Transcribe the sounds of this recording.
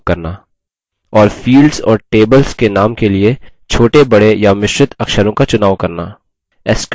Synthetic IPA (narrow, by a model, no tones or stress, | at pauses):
kɐɾna | ɔːɾfiːlɖzɔ̰ːɾʈeːbəlzkenaːmkelie | t͡ʃʰoːʈebɐɽejamɪʃɾɪt̪ʰɐkʃəɾõkat͡ʃʊnaːʋkɐɾnaː | ɛsk